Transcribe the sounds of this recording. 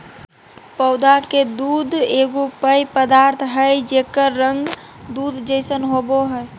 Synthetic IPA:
pəʊd̪ʱaked̪uːd̪eɡopəjpəd̪aːɾt̪ʰɦəjd͡ʒekəɾːə̃ŋɡ | d̪uːd̪ʱd͡ʒəɪsənɦoboɦəj

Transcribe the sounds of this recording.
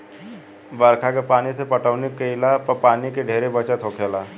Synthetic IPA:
ʋəɾkʰakepaːnisepəʈəʋnikəɪlapəpaːnikeɖʱeːɾebət͡ʃat̪ʰoːkʰelaː

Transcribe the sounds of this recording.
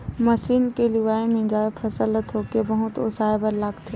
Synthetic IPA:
mɐsiːnkeliʋaːemẽd͡ʒaːepʰɐsələt̪ɦoːkebɐɦʊt̪o̰saːebəɾlaːɡt̪ʰeː

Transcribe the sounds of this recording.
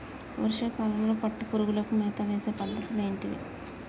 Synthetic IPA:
o̰ɾiʂɐkaːlɐŋɡɐɭupɐʈːupuɾuɣulokːumeːt̪aʋeːsɐpɐd̪ʱːɐt̪ːileːɳʈiʋḛ

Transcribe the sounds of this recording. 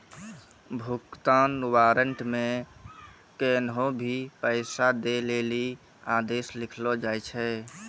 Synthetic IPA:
bʱukt̪aːnwaːɾəɳʈmẽ | kenɦõbʱipəɪsad̪eleːli | aːd̪eːslɪkʰlod͡ʒaːjt͡ʃʰɛ

